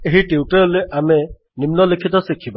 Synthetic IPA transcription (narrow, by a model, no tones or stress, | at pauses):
eɦiʈiuʈɔɾɔleʔame | nimnɔlikʰit̪ɔsikʰiba